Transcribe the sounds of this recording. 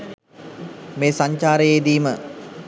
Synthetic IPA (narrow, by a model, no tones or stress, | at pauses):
meːsaɲt͡ʃaːɾəjeːd̪iːmə